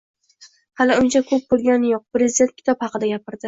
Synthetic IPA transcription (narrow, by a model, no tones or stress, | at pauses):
halɪʊnt͡ʃʰakʰɵp̚bolˠɡʲanjoq̚pɾezɪd̪e̞nt̪̚kʰʲɪ̥t̪ʰɒphɑqɨd̪aɡʲapɪɾd̪ɪ